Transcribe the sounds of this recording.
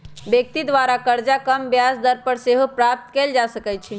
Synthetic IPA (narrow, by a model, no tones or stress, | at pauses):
bjək̚t̪id̪ʋaɾakəɾd͡ʒakəmbjasd̪əɾpəɾseɦopɾap̚t̪keld͡ʒasəkɛt̪t͡ʃʰi